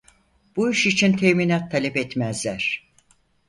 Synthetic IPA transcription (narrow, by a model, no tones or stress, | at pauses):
b̥uiʃit͡ʃʰint̪ʰeminat̪ʰːalʲɛpɛt̪mæzlʲæɾ̥